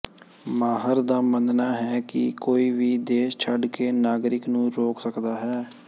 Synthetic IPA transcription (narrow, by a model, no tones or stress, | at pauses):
maːɦəɾd̪aːmənd̪naːɦɛːkɪ̰koːiːʋiːd̪eːʃt͡ʃʰəɖkeːnaːɡɾɪknũːɾoːksəkd̪aːɦɛː